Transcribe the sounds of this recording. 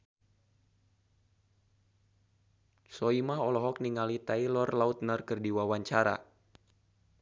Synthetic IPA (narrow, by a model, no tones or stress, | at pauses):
sɔimaɦɔlɔɦɔk̚niŋalit̪ailɔrlaut̪̚nərkɨrdiwawaɲt͡ʃaɾa̰